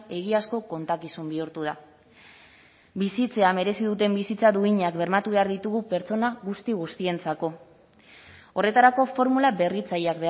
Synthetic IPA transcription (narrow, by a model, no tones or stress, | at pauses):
e̞ɣiasko̞ko̞nt̪akisumbiuɾt̪uð̞a | bisit͡se̞ame̞ɾe̞siðut̪e̞mbisit͡saðuiɲakbe̞ɾmat̪uβe̞aɾðit̪uɣupe̞ɾt͡so̞naɣust̪iɣ̞ust̪ie̞nt͡sako̞ | o̞re̞t̪aɾako̞fo̞ɾmulaβe̞rit͡sajakbe